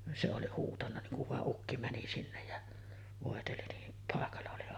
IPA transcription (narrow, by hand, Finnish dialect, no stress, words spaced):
se oli huːtɑnːɑ niŋ kuʋ ʋɑˑeʔ ʔukːi mæni sinːej jɑ ʋoˑeteli niː pɑˑekɑlːɑ oli